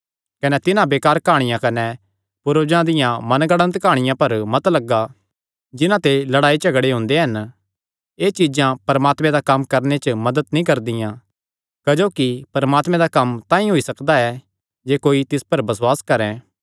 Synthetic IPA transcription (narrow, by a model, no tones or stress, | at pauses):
kɐnɛt̪ɪnãbeːkaːɾkʰaːɽ̃ɪjãkɐnɛ | pʊɾoːd͡ʒãd̪ɪjãmɐnɡɐɽ̃ə̃nt̪kaːɽ̃ɪjãpɐɾmɐt̪lɐɡːa | d͡ʒɪnãt̪elɐɽaːit͡ʃɐɡɽeɦʊ̃ːnd̪eɦɐn | eːt͡ʃid͡ʒãpɐɾmaːt̪mɛ̃d̪akɐmːkɐɾnet͡ʃmɐd̪əd̪nĩkɐɾd̪ɪjã | kɐd͡ʒoːkipɐɾmaːt̪mɛ̃d̪akɐmt̪ãːĩɦoisɐkd̪aɛ | d͡ʒeːkoːit̪ɪspɐɾbɐswaːskɐɾɛ̃ː